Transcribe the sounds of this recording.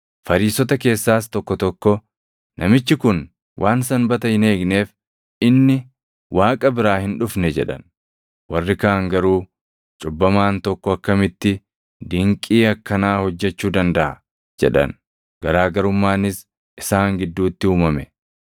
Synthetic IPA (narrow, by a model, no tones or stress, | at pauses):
fɐɾiːsɔt̪ɐke̞ːsːaːst̪ɔkːɔt̪ɔkːɔ | nʔɐmɪt͡ʃːɪkʊn | wʔaːnsɐnbɐt̪ɐhɪne̞ːɡne̞ːf | ɪnːɪ | wʔaːkʼɐbɪɾaːhɪnᶑʊfnɛd͡ʒɛᶑɐ̰n | wɐrːɪkaːŋɡɐɾuː | t͡ʃʼʊbːɐmaːnt̪ɔkːɔɐkːɐmɪt̪ːɪ | d̪ɪŋkʼiːɐkːɐnaːhɔd͡ʒːɛt͡ʃːuːd̪ɐnd̪ɐʔɐ̰ | d͡ʒɛ̰ᶑɐ̰n | ɡ̥ɐɾaːɡɐɾʊmːaːnɪs | ʔɪsaːŋɡɪd̪ːuːt̪ːɪuːmɐmɛ